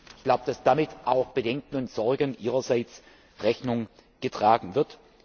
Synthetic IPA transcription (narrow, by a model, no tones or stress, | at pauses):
ɪçɡ̥laʊbəd̥asd̥amɪtʔaʊxb̥ədɛŋkn̩ʊntz̥ɔɐɡənʔiːʁɐzaɪt͡s | ʁɛçnʊŋɡ̥ətʁ̥aːɡŋ̩vɪɐt